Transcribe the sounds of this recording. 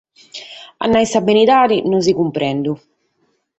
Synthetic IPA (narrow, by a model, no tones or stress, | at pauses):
a̰nːajsabːinid̪aːɾinɔns̬ikumpɾɛnd̪u